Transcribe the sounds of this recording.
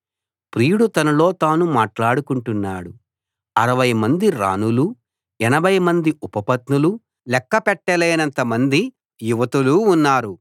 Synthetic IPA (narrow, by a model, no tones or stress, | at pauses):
pɾiːɽut̪ɐnɐlo̞ːt̪aːnumaːʈlaːɽukuɳʈunːaːɽu | ɐɾɐʋɐjmɐnd̪iɾa̰ːnulu | ɛnɐbʱɐjmɐnd̪iʔupɐpɐt̪nulu | lɛkːɐpɛʈːɐleːnɐnt̪ɐmɐnd̪i | juʋɐt̪uluːnːaːɾu